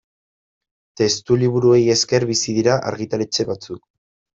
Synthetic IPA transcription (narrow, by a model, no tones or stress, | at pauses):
t̪e̞st̪uliβ̞uɾue̞je̞ske̞ɾβisiðiɾaʔa̰ɾɣit̪ale̞t͡ʃe̞βat͡suk